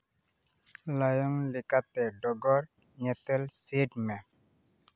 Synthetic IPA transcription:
lajɔŋlɪkat̪ɛɖɔɡɔɾ | ɲɛt̪ɛlsedmɛ

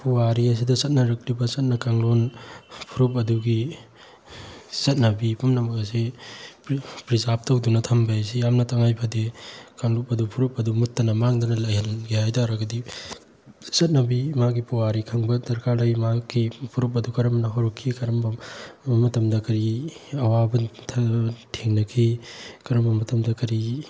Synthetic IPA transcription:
puwaɾiɐs̬idɐsɐt̚nɐɾɐk̚libɐsɐt̚nɐkaŋlonpʰuɾup̬ɐduɡi | sɐt̚nɐbipumnɐmɐkɐs̬ippɾizap̚tɐwdunɐtʰɐmbajɐs̬ijamnɐtʰɐŋajpʰɐdekaŋlup̚ɐdupʰuɾupɐdumutːɐnɐmaŋdɐnɐlɐjɦɐnɡihajdaɾɐɡɐdi | sɐt̚nɐbimaɡipuwaɾikʰɐŋbɐdɐɾkaɾlɐjmakipʰuɾuk̚pːɐdukɐɾɐmnɐɦaɾukʰːikɐɾɐmbɐmɐtɐmdɐkɐɾiɐwabɐtʰtʰeŋnɐkʰikɐɾɐmbɐmɐtʰɐmdɐkɐɾi

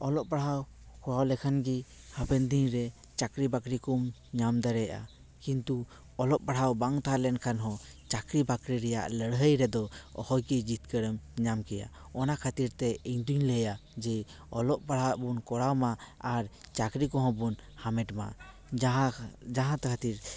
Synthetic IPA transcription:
ɔlɔʔpaɽɦaw | kɔɽawlɛkʰanɡi | hapɛnd̪iɲɾɛ | t͡ʃakɾibakɾikum | ɲamd̪aɾɛjʔa̰ | kint̪u | ɔlɔʔpaɽ̤awbaŋt̪aɦalɛnkʰanɦɔ̃t͡ʃakɾibakɾiɾɛja̰ʔləɽɦəjɾɛd̪ɔɔ̰hɔjkid͡ʒit̪̚kəɽəmɲamkɛja̰ | ɔnakʰat̪iɾt̪ɛiɲd̪uɲlɛjad͡ʒɛ | ɔlɔʔbaɽ̤awaʔbunkɔɽawmaaɾt͡ʃakɾikɔ̃ɦɔ̃bunhamɛʈma̰ | ɦad͡ʒaɦãt̪kʰat̪iɾ

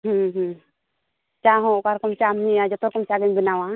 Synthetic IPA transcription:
ɦũɦũ | t͡ʃaɦɔ̃kaɾkɔmt͡ʃamɲiad͡ʒɔt̪ɔɾkɔmt͡ʃaɡɛɲbinawã

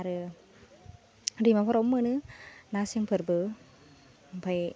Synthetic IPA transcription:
aɾɯ | ɾimapʰɔɾɔmːɯnɯnasiŋpʰɯɾbɯ | mpʰaj

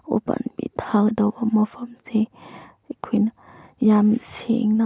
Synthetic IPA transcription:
o̰pa̰nbḭtʰakdɐbɐmɐpʰɐmze | ekʰojnɐjamsḛŋnɐ

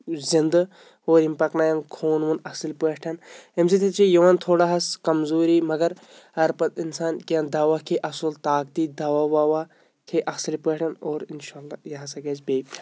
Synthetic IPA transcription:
zind̪ | oːɾimpɐknaːjɐnkʰoːnʋunɐsilpeʈʰɐnemsit̪ʰet͡ʃʰijɐʋant̪ʰoːɽaɦɐskɐmzoːɾiːmɐɡɐɾ | ɐɾpɐt̪insaːnkiɐnd̪ɐʋakʰeʔɐsult̪aːk̚t̪iːd̪ɐʋaːwaːʋa | kʰeʔɐsilpeːʈʰɐnoːɾinʃaːlːaːjɐɦasɐɡeːd͡ʒbeːb

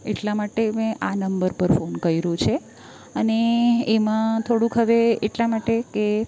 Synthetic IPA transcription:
ḛʈlamaʈemẽʔanəmbəɾpəɾfonkəjɾũt͡ʃʰe | əneemãt̪ʰoɽũkɦəʋeeʈlamaʈeke

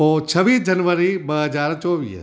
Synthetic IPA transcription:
ot͡ʃʰɐʋiːsd͡ʒɐnʋəɾibɐɦɐd͡ʒaːɾt͡ʃɔːʋḭːs

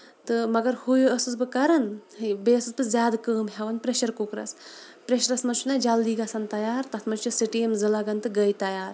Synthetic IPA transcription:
t̪ɨmɐɡɐɾhujuɐsɨzbɨkɐɾɐnbeːɐsɨzbɨzʲjaːd̪kəːmɦʲeʋɐnpɾeʃɐɾkukɾɐ̰s | pɾeʃɐɾɐsmɐnt͡ʃʰunɐd͡ʒald̪iːɡɐsɐnt̪ɐjaːɾt̪ɐt̪ʰmɐnt͡ʃt͡ʃɐsiʈijemzɨlaɡɐnt̪ɨɡɐjt̪ɐjaːɾ

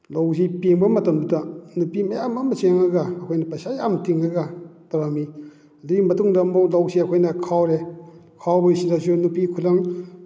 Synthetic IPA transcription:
lowsipeŋbɐmɐtɐmbudanupimajamamɐseŋaɡaːkʰojnɐpasajamtʰiŋaɡatawɾami | ɐdɯɡimɐtuŋdamɔlawsiakʰojnɐkʰawɾe | kʰawbɯjsiɾasunupikʰulaŋ

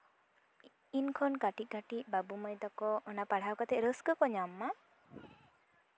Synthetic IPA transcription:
inkʰɔnkaʈit̪̚ˀkaʈic̪̚ˀbabumɔjd̪akɔɔnapaɽ̤awkat̪ɛʔɾəskəkɔɲamːa

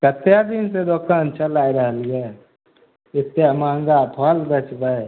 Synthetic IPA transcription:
kət̪ːjad̪insed̪oːkʰaːnt͡ʃəlaːiɾəɦəlɡa | ɪt̪ːjamãːŋɡaːpʰɔːlbət͡ʃbəe

